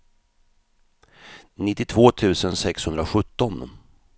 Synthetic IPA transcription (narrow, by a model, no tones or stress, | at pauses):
nɪt̪ːɪt̪ʰvoːt̪ʰʉ̟ːsənsɛkshɵnd̪ɾaɧɵt̪ːɔn